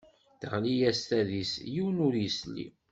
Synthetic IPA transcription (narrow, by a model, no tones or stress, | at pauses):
θəʁlijæst̪æðisjiwnʊɾjəslːḭ